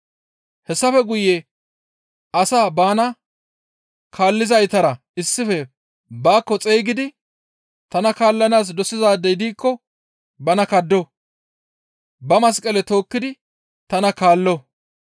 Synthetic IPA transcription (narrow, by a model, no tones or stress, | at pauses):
hɛsːɐfɛɡʊjːɛ | ʔɐsaːbaːnɐ | kʰaːlːɪzɐjt̪ɐɾɐ | ɪsːɪfɛ | baːkːɔt͡sʼeːɡɪd̪ɪ | t̪ɐnɐkaːlːɐnaːs̬d̪ɔsɪzaːd̪ːɛjd̪iːkːɔ | bɐnɐkɐd̪ːɔ | bɐmɐs̬kʼɐlɛt̪o̞ːkːɪd̪ɪ | t̪ɐnɐkaːlːɔ